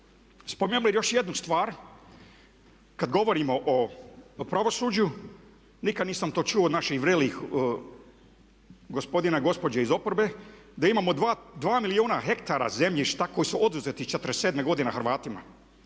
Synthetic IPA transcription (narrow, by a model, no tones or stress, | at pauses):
spomenulijo̞ʃje̞d̪nust̪ʋaːɾ | kad̪ɡo̞ʋo̞ɾimo̞ʔopɾaʋo̞suːd͡ʑu | nikad̪niːsamt̪o̞ːt͡ʃuood̪naʃixʋɾelix | ɡo̞spo̞d̪inaɡo̞spo̞d͡ʑaizo̞poɾbe̞ | d̪aimaːmo̞d̪ʋaːmilioːnaɦe̞kt̪aɾa̰ze̞mʎiʃt̪ako̞jisuʔo̞d̪uzet̪it͡ʃet̪əɾeseːd̪meɡo̞d̪inaxɾʋaːt̪ima̰